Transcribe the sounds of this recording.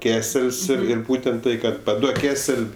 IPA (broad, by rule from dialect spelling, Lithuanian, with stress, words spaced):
ˈkʲæːsʲɛlʲsʲ ɪr ˈɪr ˈbuːtʲɛnt ˈtɐɪ kɐt pɐˈduɔk ˈkʲæːsʲɛlʲ